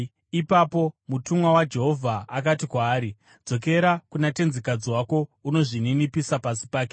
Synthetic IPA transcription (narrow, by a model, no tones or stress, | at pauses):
ipapo̞mutumwawad͡ʒe̞ɦo̞vʱaːk̬atikwaːɾi | d͡zo̞k̬e̞ɾakunate̞nzikad͡ziwako̞uno̞ʐininipisapasi̥paːke